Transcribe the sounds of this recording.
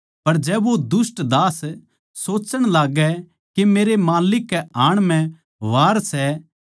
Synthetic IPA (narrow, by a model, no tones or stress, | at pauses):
pɐɾd͡ʒɛːbod̪ʊsʈd̪aːs | soːt͡ʃəɽ̃laːɡɛ | kemeːɾemaːlɪkːɛaːɽ̃mɛ̃ | ʋaːɾsɛ